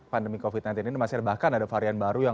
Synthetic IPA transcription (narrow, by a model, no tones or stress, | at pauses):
pandəmikofit̪̚nant̪ininimasiarbahkanadafaɾianbaɾuja